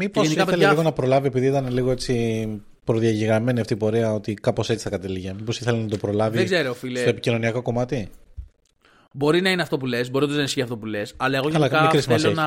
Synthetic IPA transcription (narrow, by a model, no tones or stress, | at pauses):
miposiɐθeleliɣonɐpɾo̞lɐvie̞piðiit̪ɐneliɣo̞e̞t͡si | pɾoðiɐʝiɣɾɐme̞niɐft̪ipo̞ɾeɐo̞t̪ikɐpo̞se̞t͡si̥θɐkɐt̪eliʝemipo̞siθelenɐt̪o̞pɾo̞lɐvieɡɡzeɾofilsttoepi̥cino̞niɐko̞ko̞mɐt̪i | bo̞ɾinɐineɐft̪o̞p̬ulezbo̞ɾiot̪znɐisçiɐft̪opulesɐlɐeɣoɐlɐkɐeɾisimɐesoɐ